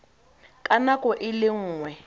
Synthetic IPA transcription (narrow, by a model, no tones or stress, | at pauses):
kʼanakʼɔʔɪlɪŋ̩ːŋwɛ